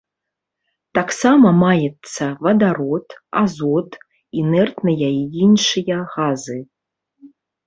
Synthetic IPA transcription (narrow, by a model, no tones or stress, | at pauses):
t̪aksamɐmajɛt̪sːɐvɐd̪aɾɔt̪a̰zɔt̪ | inɛrt̪nɐjaiinʂɨjɐɣazɨ